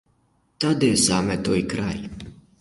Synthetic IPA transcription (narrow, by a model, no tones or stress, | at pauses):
t̪ad̪esaːmɛt̪ojkɾaj